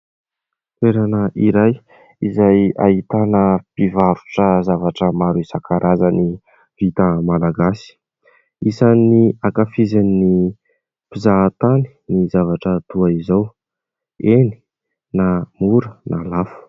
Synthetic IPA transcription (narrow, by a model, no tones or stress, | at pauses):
t̪eɾanəʔiɾaj | izaja̰it̪anəpivaɾu̥ʈ͡ʂəzavaʈ͡ʂəmaɾuisakʰaɾʔazəni | v̥it̪əmalaɡasi̥ | isaniakafizanni | pizaːt̪ani̥nizavaʈ͡ʂət̪uaizaw | eni̥ | namuɾənʔalafu̥